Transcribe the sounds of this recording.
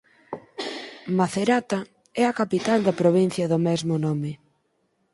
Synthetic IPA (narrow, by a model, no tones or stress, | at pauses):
maθeɾat̪a | ɛɐkapit̪ald̪ɐpɾoβ̞in̟θjɐðʊmɛzmʊnɔmɪ